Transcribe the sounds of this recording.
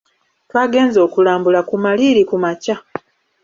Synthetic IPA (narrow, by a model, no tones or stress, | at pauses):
twaːɡe̞ːnzo̞ːkulaːmbulakumaliːɾikumaca